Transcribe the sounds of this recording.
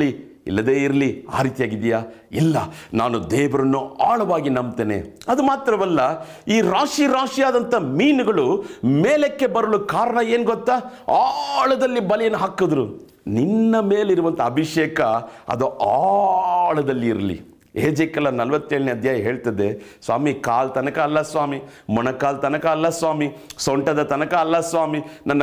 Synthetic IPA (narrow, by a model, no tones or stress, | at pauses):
i | ḭlːɐd̪eːiɾɐlia̰ːɾiːt̪ijaːɡid̪ijaː | ilːɐnaːnud̪ɛːʋɐɾɐnːuaːɭɐʋaːɡinɐmt̪eːnḛɐd̪umaːt̪ɾɐʋɛlːɐ | iːɾaːʂiɾaːʂijaːd̪ɐnt̪ɐmiːnuɡɐɭumeːlekːe̞bɐɾɐlukaːɾɐɳɐeːnɡɔt̪ːaːaːɭɐd̪ɐlːibɐlɛjɐnːuɦaːkod̪ɾu | ninːɐmeːliɾuʋɐnt̪ɐɐbʱiʂeːkɐɐ̰d̪uʔaːɭɐd̪ɐlːiːɾɐlḭ | eːd͡ʒɐkɐlːɐnɐlɐʋɐt̪ːeːɭɐneɐd̪ʱjaːjɐɦe̞ːɭt̪ɐd̪esʋa̰ːmikaːlt̪ɐnɐkɐːlːɐsʋaːmi | mɔnɐkaːlt̪ɐnɐkɐːlːɐsʋaːmisɔɳʈɐd̪ɐt̪ɐnɐkɐːlːɐsʋaːminɐnːɐ